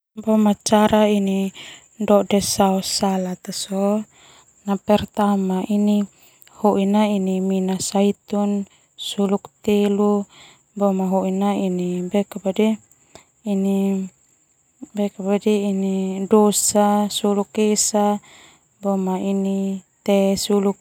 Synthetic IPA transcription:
bɔmat͡ʃaɾʔaini | ndɔdɛsaɔsalat̪asɔ | napɛrt̪amaʔini | huʔinainiminasait̪un | sulukt̪elu | bɔmaɦoʔinainibɛkabadiː | ni | bɛkabadiinidosasulukesa | bɔmainit̪ɛsuluk̚

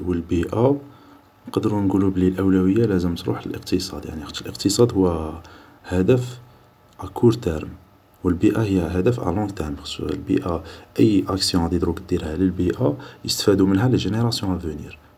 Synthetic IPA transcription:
wəlbiʔa | nqɑd̪əɾunɡulublilʔəwlæwəjːalæzəmt̪ɾṵħlə̰lʔə̰qt̪əsˤɑ̰d̪ja̰ʕniə̥t̪ːəlʔəqt̪əsˤɑd̪hʊwːæ | hæd̪əf | ʔækʰuɾt̪æɾəm | wəlbiʔahəjːæɦæd̪əfʔa̰ʕlɑ̃t̪ːæɾmbxsˤṵlbḭʔaʔəjːʔæksjɔ̃d̪id̪ɾukd̪iɾhæləlbiʔajəst̪ə̥fæd̪umənɦæləʒəneɾˤɑsjɔ̃ʔævənḭɾ

